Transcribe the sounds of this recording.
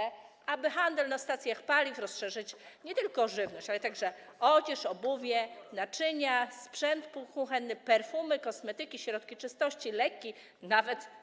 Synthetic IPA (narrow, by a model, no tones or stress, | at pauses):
ɛ | abɘxand̪ɛlnast̪at̪sʲjaxpalʲifɾɔsʂɛʐɘt͡ɕɲɛt̪ɘlkɔʐɘvnɔɕt͡ɕalɛt̪aɡʐɛ | ɔd͡ʑɛʂɔbuvʲjɛnat͡ʂɘɲaspʂɛnt̪puxũxɛnːɘpɛɾfumɘkɔsmɛt̪ɘkʲiɕɾɔt̪kʲit͡ʂɘst̪ɔɕt͡ɕilɛkʲːi | navɛt̪